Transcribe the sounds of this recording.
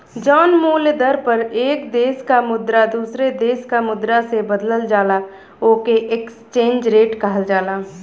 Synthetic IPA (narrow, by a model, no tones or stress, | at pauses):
d͡ʒɔːnmuːld̪əɾpəɾeːkd̪eːskamʊd̪ɾad̪uːsɾed̪eːskamʊd̪ɾasebəd̪ləld͡ʒaːla | oːkeʔekst͡ʃẽːnd͡ʒɾeːʈkəɦəld͡ʒaːlaː